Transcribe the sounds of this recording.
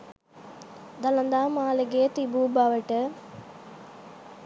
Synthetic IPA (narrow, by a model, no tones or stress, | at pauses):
d̪ɐlɐnd̪aːmaːlɐɡeːt̪ibuːbaʋɐʈɐ